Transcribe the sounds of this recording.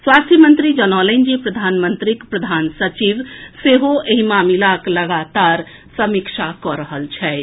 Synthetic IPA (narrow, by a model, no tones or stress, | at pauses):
swast̪ʰjəmənt̪ɾid͡ʒənɔlənd͡ʒipɾəd̪ʱanmənt̪ɾikpɾəd̪ʱansət͡ʃiʋseɦoeɦimamilakləɡat̪aɾ | səmikʃʰakɔɾəɦəlt͡ʃʰɛ